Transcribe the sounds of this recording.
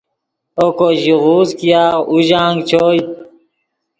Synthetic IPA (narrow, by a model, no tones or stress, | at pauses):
okoʑiʁuːzkijaːʁuʑãːŋɡt͡ɕʰoːj̪